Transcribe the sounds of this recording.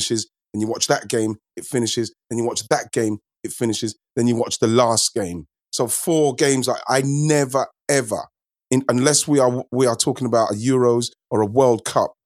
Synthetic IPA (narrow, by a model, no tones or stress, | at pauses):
ɪʃɪz | ə̃njəwɒt͡ʃðəʔ̚ɡ̥ẽɪ̃m | ɪtfɪ̃nɪʃɪzðə̃njəwɒt͡ʃðət̚ɡ̥ẽɪ̃m | ɪtfɪ̃ñɪʃɪz | ðɨ̃njəwɒt͡ʃðəlɑˑstɡ̥ẽɪ̃m | soʊfɔːɡẽɪ̃mzaɪa̰ɪnɛvə˞ | ɛvə̰˞ | ɪ̃nə̃nlɛswiəwiətʰɔˑkɪ̃ŋəbaʊtəjɔɹoʊz | əɹəwɜ˞lˠd̚kʰʌ̰p̚